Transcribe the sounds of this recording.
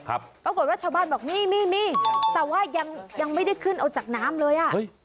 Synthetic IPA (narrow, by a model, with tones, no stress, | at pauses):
kʰa̰˦˥p̚pɾa˧ko˨˩t̚waː˥˩t͡ɕʰaː˥˧˩wbaː˥˩nbɔː˨˩k̚miː˧˥˩miː˥˩miː˧˥˩t̪ɛː˨˩waː˥˩ja˧ŋja˧ŋma˥˩jda˥˩jkʰɯ˥˩nʔa˧wt͡ɕaː˨˩k̚naː˦˥mlɤː˧jʔa˨˩ʔɤ˦˥˩j